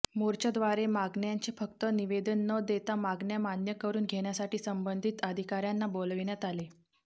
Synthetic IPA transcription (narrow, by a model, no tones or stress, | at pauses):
moɾt͡ɕəd̪ʋaɾemaɡɳjaɲt͡sefək̚t̪əniʋed̪ənːəd̪et̪amaɡɳjamanjəkəɾuːnɡʱeɳjasaʈiːsəmbənd̪ʱiːt̪əd̪ʱikaɾjanːabolʋiɳjat̪ale